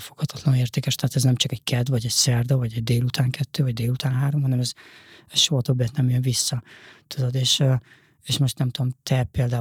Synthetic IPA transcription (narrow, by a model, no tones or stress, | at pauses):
foɡ̥hɒt̪ʰɒ̥t̪lɒneːrt̪eːkɛʃt̪ɛɦat̪ɛznɛmt͡ʃɒkɛɟkɛd̪vɒɟɛɟsɛrd̪ovɒɟɛɟd̪eːlut̪ʰaːŋkʰɛt̪ːøːvɒɟd̪eːlut̪aːnɦaːɾomɦɒnɛmɛz̥ɛʃoɦɒt̪objɛt̪nɛmjønvisːɒt̪ud̪od̪eːʃ | eːʃmo̞ʃt̪nɛmt̪ud̪omt̪ʰɛpeːld̪aː